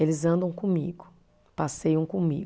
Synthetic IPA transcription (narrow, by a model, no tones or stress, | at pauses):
elɪzɐ̃nd̪ɐ̃w̃kõmḭɡʊ | pasejɐ̃w̃kõmḭɡ